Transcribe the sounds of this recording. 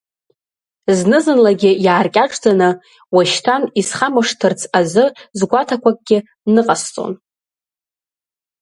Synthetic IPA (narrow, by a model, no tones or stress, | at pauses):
znɨzɨnlaɡʲɪjaːrkʲʼaʈ͡ʂʼd͡zanɨ | waʃtʰanisχamɨʂtʰɨrt͡sʰazɨzɡʷatʰakʷʰakʼɡʲɪ | nɨqʼast͡sʼo̰n